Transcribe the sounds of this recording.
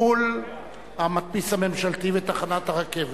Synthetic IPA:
ul | hamat̪̚pishame̞mʃalt̪ivet̪aχanat̪haʁakev

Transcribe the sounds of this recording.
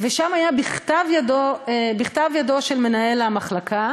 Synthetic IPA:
veʃamajabiχt̪avjadobiχt̪avjado̞ʃelme̞nae̞lamaχlakʰa

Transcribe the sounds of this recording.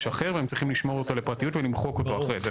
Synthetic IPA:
ʃaχeʁveemt͡sʁiχimliʃmo̞ʁot̪ole̞pʁatijutvelimχo̞ko̞to̞aχʁeze

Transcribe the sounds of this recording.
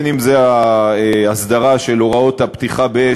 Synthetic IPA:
nimzeaeasd̪aʁaʃe̞loʁao̞t̪hapt̪iχabee

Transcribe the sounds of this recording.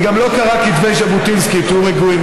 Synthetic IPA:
ɡamlo̞kaʁakit̪ve̞jʃabut̪inskit̪uʁeɡuim

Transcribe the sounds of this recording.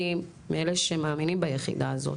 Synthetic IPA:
i | meeleʃemaːminimbajeχḭd̪aːzo̰

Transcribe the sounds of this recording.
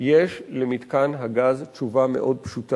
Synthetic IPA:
jeʃlemit̪kanɦaɡazt͡ʃuvamḛʔo̞d̪̚pʃuta

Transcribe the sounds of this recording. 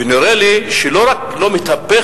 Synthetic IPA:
eniɾeliʃeloɾaklomet̪ape

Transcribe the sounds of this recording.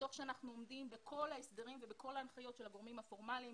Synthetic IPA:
to̞χʃeanaχnuomdimbekʰo̞laesd̪eʁimvebekʰo̞laːnχajo̞tʃelaɡo̞ʁmimhafo̞ʁmalim

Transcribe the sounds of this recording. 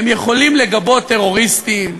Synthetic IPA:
mjeχo̞limle̞ɡabo̞t̪ːe̞ʁo̞ʁist̪im

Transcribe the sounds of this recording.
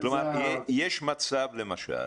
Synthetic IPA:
klomaɾjejeʃmat͡savlemaʃa̰l

